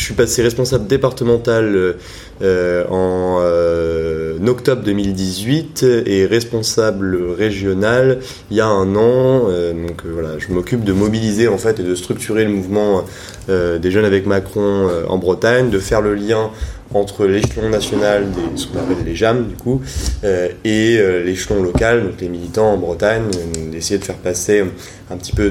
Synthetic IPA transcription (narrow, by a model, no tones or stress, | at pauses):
əsɥipaseʁɛspɔ̃sabld̪epaʁt̪əmɑ̃t̪alø | øɑ̃ | nɔkt̪ɔbʁd̪əmild̪izɥit̪eʁɛspɔ̃sabləʁeʒjɔnal | iljaɛ̃nɑ̃ød̪ɔ̃kvwala̰ʒəmɔkʲyp̚d̪əmɔbilizeɑ̃fɛt̪ed̪əst̪χyk̚t̪ʰyʁeləmuvmɑ̃ | ød̪eʒœnavɛkmakχɔ̃øɑ̰̃bʁət̪aɲd̪əfɛʁləljɛ̃ | ɑ̃t̪χəleʃlɔ̃nasjɔnald̪esə̥kɔ̃napɛlːeʒamd̪ykuøeøleʃlɔ̃lɔkald̪ɔ̃klemilit̪ɑ̃ːbʁət̪aɲd̪esejed̪əfɛʁpase | ɛ̃pət̪i̥pø